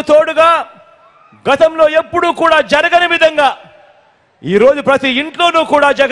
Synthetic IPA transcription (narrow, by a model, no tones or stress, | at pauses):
t̪oːɽuɡaː | ɡɐt̪ɐmlo̞ːe̞pːuɽuːkuːɽaːd͡ʒɐɾɐɡɐnɐʋid̪ʱɐŋɡaː | iːɾo̞ːd͡ʒupɾɐt̪iiɳʈlo̞ːnuːkuːɽaːd͡ʒɐɡ